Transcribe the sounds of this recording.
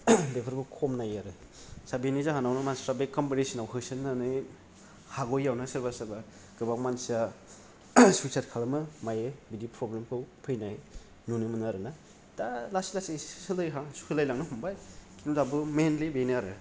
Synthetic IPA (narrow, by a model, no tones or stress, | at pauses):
depʰɯɾbukʰɔmnajaɾɯ | sabenizaɦanawnɯmansɾabekɔmpiɾesinawɦɯsɯnːanɯj | haɡɔjːawnɯsɯɾbasɯɾba | ɡ̥ɯbaŋmansia | susʰatkʰalamɯmajɯbidipɾɔblemkʰɯwpʰɯjnaj | nunɯmɯnaɾɯna | talasilasissɯlɯjɦasu̥kʰɯlajlaŋnɯɦumbajkinuzabɯmenlibeniaɾɯ